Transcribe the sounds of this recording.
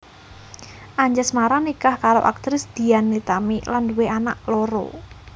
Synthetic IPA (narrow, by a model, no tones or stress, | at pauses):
ʔaɲd͡ʒasmaɾanikahkaɾo̰ʔa̰k̚t̪ɾɪsd̪̥i̤anːit̪amilanduweanaʔloɾo̰